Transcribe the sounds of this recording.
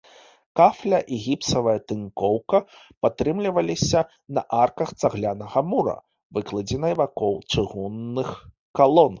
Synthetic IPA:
kaflʲɐʔiɣʲipt̪sɐvɐjɐt̪ɨnkɔwkɐ | pat̪ɾɨmlʲivɐlʲisʲɐ | nɐʔarkɐxt̪saɣlʲanɐɣɐmuɾɐ̰ | vɨklˠɐd͡zʲɛnɐjvakɔwt͡ʂɨɣunːɨx | kalˠɔn

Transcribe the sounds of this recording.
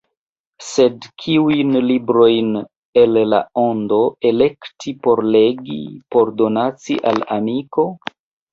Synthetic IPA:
se̞dkʰiujnlibɾo̞jn | e̞lla̰o̞ndo̞e̞le̞ktʰipo̞ɾle̞ɡḭpo̞ɾdo̞nat͡siʔalamiko̞

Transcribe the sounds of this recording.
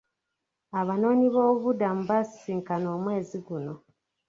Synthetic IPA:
aβano̞ːɲiβo̞ːβudam̩βassiːŋkano̞ːmwe̞ːziɡuno̞

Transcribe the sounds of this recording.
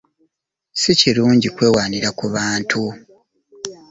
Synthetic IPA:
siciluːɲɟikwe̞ːwaːniɾakuβaːntʰu

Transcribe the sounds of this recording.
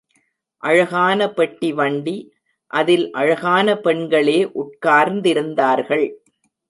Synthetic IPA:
ʔɐɻɐɣaːnɐpɛʈːiʋɐɳɖi | ʔɐðɪlʔɐɻɐɣaːnɐpɛɳɡɐɭeːʔʊʈ̚kaːɾnd̪ɪɾɯnd̪aːɾɣɐɭ

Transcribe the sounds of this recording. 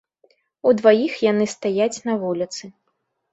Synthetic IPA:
ud̪vajixjanɨst̪ajat͡sʲnɐvulʲit̪sɨ

